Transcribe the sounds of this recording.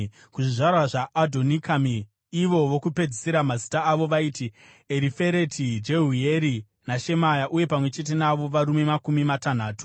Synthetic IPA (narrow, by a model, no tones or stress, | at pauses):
kuʐiʐarwaʐaʔːdʱo̞nikamiː | ʋo̞ʋo̞kupe̞d͡ziseɾamazitaːʋo̞ʋaiːti | eɾife̞ɾe̞tʰid͡ʒe̞ɦujeɾi | naʃe̞majaʔuje̞pamwe̞t͡ʃe̞t̬e̞naʋo̞ʋaɾume̞makumimatan̤aːtu̥